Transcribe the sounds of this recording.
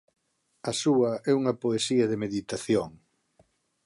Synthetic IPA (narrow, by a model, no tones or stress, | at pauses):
ɐsuɐɛuŋɐpoesiɐðemeðit̪aθjoŋ